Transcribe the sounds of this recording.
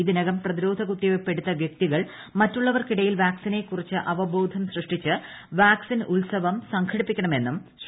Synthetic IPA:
iðinɐɣɐmprɐðiɾo̞ːd̪ʱɐɣut̪ːijopːe̞ɽut̪ːɐʋjɐk̚t̪iɣɐɭ | mɐtːuɭːɐʋɐrkiɽɐjilʋaːksine̞kːurit͡ɕːɨʔɐʋɐbo̞ːd̪ʱɐmsrɨʂʈit͡ɕːɨʋaːksinulsɐʋɐmsɐŋkʰɐɽipːikʲːɐɳɐme̞nːumɕ

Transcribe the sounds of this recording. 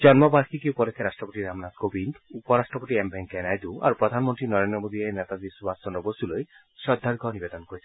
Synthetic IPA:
d͡ʒɔnmɔbaɾkʰikiupɔlekʰːeɾasʈɾɔpoʈ̪iɾamnat̪kobind̪upɔɾasʈɾɔpoʈ̪iembʱɛŋkenajd̪ua̰ɾupɾɔd̪ʱanmɔnt̪ɾinɔɾend̪ɾɔmod̪ienɛt̪ad̪isubʱasɔnɔbosuloj | ʃɔd̪ʱːaɾɡʱɔnibed̪ɔnkoɾit͡ʃʰi̥

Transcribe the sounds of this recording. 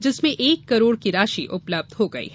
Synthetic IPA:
d͡ʒɪsmẽʔeːkːɐɾoːɽkiɾaːʃḭʔʊpləb̚d̪ɦoɡɐḭɦ

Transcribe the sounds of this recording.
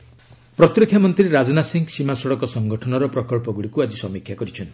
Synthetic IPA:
pɾɔt̪ɾikʰːjamɔnt̪ɾiɾad͡ʒɔnasiŋɡsimasɔɽɔkɔsɔŋɡɔʈʰɔnɔɾɔpɾɔkɔɭpɔɡuɽikuad͡ʒisɔmikʰːjakɔɾit͡ʃʰɔnt̪ʰi

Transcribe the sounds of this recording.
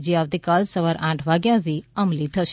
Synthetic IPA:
d͡ʒiaʋt̪ikalsəʋaɾʔãʈʰʋaɡjãt̪ʰiəmlit̪ʰəʃ

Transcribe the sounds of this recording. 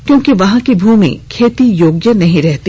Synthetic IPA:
kjõːkiʋɐɦãkibʱuːmḭ̃kʰeːt̪ijoːɡjənɐɦĩɾɛɦt̪i

